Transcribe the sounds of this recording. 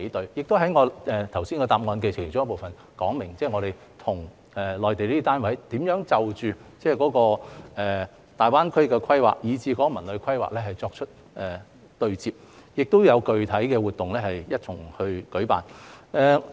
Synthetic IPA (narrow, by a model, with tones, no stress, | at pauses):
e˨˥t̪ɵ˨˧ɥjɪ˨k̚t̪o˥ɦɐ˨˥jŋɔː˨˧ʔɛː˨t̪ʰɐ˨˩wsi˥nkɔ˧t̪aː˧p̚ŋɔː˧nk̬e˧ɪ˨˩˨t͡sɔː˥ŋ˥po˨wfɐ˨n | kɔː˨˥ŋmɪ˨˩ŋt͡sɛː˥˩ŋɔː˨˧ɾe˨˩j | t̪ʰʊ˨˩ŋ | ɛː˨lɔː˨jt̪e˨liː˥t̪aː˥nwɐ˨˥jt̪iː˨˥mjœː˨˥ŋt͡sɐ˨wt͡ʃyː˨t͡sɛː˥˩kɔː˨˥kɔː˧ɛː˨˩ | t̪aː˨jwaː˥nkʰɐ˥kɛː˧kʰɐ˥jwa̰ː˨˩k̚jiː˨˧t͡siː˧kɔː˨˧˥kɔ˧mɐ˨˩nlɵ˨˧kʰɐ˥jwa̰ː˨k̚lɛː˥ɦɐ˨˩jt͡sɔː˧k̚t͡ʃʰɵ˥t̚ | ʔɛː˨ | t̪ɵ˨˧ɥt͡siː˧p̚ | jɪ˨k̚t̪o˥wjɐ˨˧wkɵ˨˧ɥt̪ʰɐ˨˥jkɛː˧wuː˨t̪̚ʊ˨ŋlɛː˥hɐ˨jjɐ˥t̚t͡sʰʊ˨˩ŋhɵ˧ɥkɵ˨˥ɥpa̰ː˨nʔɛː˨˧